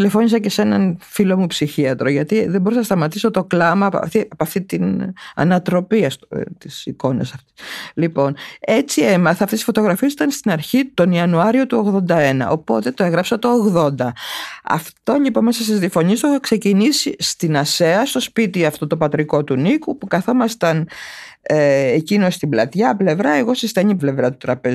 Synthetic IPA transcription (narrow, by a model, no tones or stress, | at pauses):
t̪le̞fo̞nis̬ɐcese̞nɐnfilo̞mupsiçiɐt̪ɾoʝɐt̪iðeboɾisɐnɐst̪ɐmɐt̪iso̞t̪o̞klɐmɐɐ̰ft̪iɐpɐft̪it̪inɐ̰nɐt̪ɾo̞piɐst̪ot̪isiko̞nḛsɐft̪lipo̞ne̞t͡sie̞mɐθɐɐft̪esi̥fo̞t̪o̞ɣɾɐfisit̪ɐnst̪inɐɾçit̪o̞niɐnuɐɾio̞t̪uo̞ɣðond̪ɐe̞nɐ̰o̞po̞t̪e̞t̪oeɣɾɐpsɐt̪o̞ːɣðo̞nd̪ɐɐ̰ft̪o̞ʎipo̞nmesɐst̪izðiɐfo̞ɲiest̪oxɐkse̞cinisist̪inɐseɐst̪o̞spit̪iɐft̪ot̪o̞pɐt̪ɾiko̞t̪unikupukɐθo̞mɐst̪ɐn | ecino̞st̪iblɐt̪ʝɐple̞vɾɐe̞ɣo̞sist̪ɐɲiple̞vɾɐt̪ut̪ɾɐpe